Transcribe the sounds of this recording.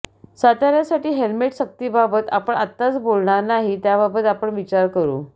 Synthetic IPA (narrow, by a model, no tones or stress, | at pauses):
sat̪aɾjasaʈiːɦelmeʈsək̚t̪iːbabət̪apəɳat̪ːat͡sbolɳaɾnaɦit̪jaβabət̪apəɳʋit͡ɕaɾkəɾṵː